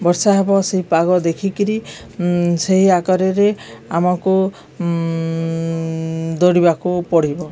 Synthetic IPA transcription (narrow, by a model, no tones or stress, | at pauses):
bɔɾsaɦebɔseɦipaɣɔd̪ekʰikiɾi | seɦiakɔɾeɾeamɔku | d̪oɽibakupɔɽ̤ibɔ